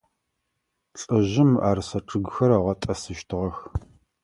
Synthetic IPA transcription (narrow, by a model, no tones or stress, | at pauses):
ɬʼɨʑɪmaːrsɐʈ͡ʂʰɨɡxɐɾɐʁɐtʼɐsɨʃtʰɨʁɐx